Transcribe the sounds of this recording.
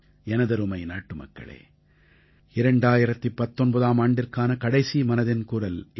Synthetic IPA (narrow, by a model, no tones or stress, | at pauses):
ɛnɐðɐɾɯmɐɪnaːʈːɯmɐ̰kːɐ̰ɭḛː | ɪɾɐɳɖaːjɪɾɐt̪ːɯpːɐt̪ːɔnbɐðaːmaːɳɖɪrkaːnɐkɐɽɐɪsimɐnɐðɪnkuːrɐl